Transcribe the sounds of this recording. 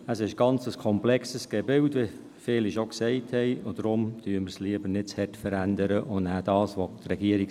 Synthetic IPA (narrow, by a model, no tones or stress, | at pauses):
əsɪʃɡ̥ɑnt͡səskʰɔmplɛksəsɡ̥ɛbɪltve | fɪːliʃoksɛɪthɛɪʊd̥ɾʊmd̥yːəməɾsliəbəɾnɪtt͡shɛtfəɾændəɾəʔʊndnæːd̥ɑːsʋotrɛɡiəɾik